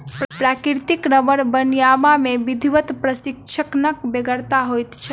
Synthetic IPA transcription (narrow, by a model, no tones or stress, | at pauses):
ppɾakiɾt̪iknəbəɾbənjamamebid̪ʱiʋət̪pɾəsikt͡ʃʰəknəkbeɡəɾt̪aɦojt̪t͡ʃʰə